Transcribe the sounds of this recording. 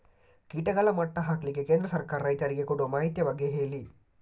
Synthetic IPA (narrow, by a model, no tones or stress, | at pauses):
kiːʈɐɡɐɭɐmɐʈːɐɦaːkɐlikːekeːnd̪ɾɐsɐɾkaːɾɐɐjt̪ɐɾiɡekuɽumaːɦit̪jɐbɐɡːeɦeːli